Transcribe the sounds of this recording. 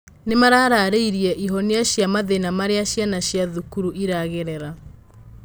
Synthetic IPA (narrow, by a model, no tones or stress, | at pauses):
nemaɾaɾaɾeiɾiɛʔiɦɔneaɕjamaðenamaɾeaɕjanaɕjaðukuɾuʔiɾaɣeɾeɾa